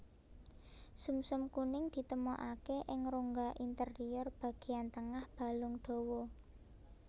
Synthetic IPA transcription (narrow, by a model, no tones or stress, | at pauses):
sumsʊmkunɪŋd̪̥i̤t̪əmoʔakeʔɪŋɾoŋɡaʔint̪əriɔrb̥a̤ɡ̥e̤ant̪əŋahb̥a̤lʊŋɖ̥o̤wɔ